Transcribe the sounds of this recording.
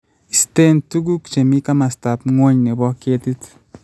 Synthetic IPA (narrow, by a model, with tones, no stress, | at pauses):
i˨st̪e˦ntu˦ɡu˦kt͡ʃe˨mi˦ka˦ma˨sta˨pŋwo˦ɲne˨bɔ˦ke˦t̪i˦t̪